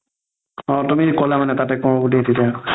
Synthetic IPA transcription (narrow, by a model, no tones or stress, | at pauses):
ɔt̪umikɔlamanɛt̪at̪ɛkɔ̃ɔkuʈiɦet̪ʰita